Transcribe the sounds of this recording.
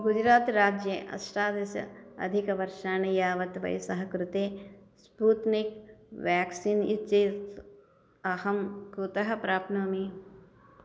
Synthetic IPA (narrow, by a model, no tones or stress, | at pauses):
ɡud͡ʒɾaːt̪ɾaːd͡ʒjeʔɐ̰sʈaːd̪ɐsɐ̰ɐ̰d̪ʱikɐʋɐɾʃaːnɐjaːʋɐt̪ʋɐ̰jsɐɦɐkɾut̪eː | spuːt̪nikʋjaːksiːnḭtːt͡ʃɐt̪ | ɐhɐmkɾut̪ɐɦɐ̆pɾaːpnɐmi